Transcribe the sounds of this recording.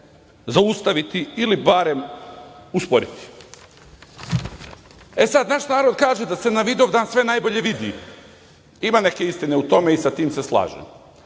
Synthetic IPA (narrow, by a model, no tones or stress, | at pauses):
zaust̪aʋit̪iilibaɾe̞m | uspo̞ɾit̪i̥ | esad̪naʃnaːɾo̞d̪̚kaːʒed̪ase̞naʋid̪oʋd̪aːnsʋe̞najbo̞ʎe̞ʋid̪ḭ | imane̞ke̞ist̪ine̞ut̪o̞me̞isat̪iːmse̞slˠa̰ːʒḛm